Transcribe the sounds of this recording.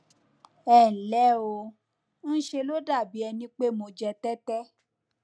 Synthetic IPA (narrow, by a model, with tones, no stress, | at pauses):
ɛ˦˨n̩˨lɛ˨˦o˧ | n̩˦ʃe˧lo˦da˦˨bi˨˦ɛ˧nĩ˦k͡pe˦mo˧d͡ʒɛ˧tɛ˦tɛ˦